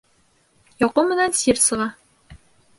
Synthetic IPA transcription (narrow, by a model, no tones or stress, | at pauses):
jɒqumɘ̆nænsiɾsɤ̆ʁɑ